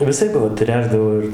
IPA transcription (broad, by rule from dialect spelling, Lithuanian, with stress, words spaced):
ʋʲɪˈsɐɪp ʋɐ ˈtʲrʲæːʒdɐʋoː ɪr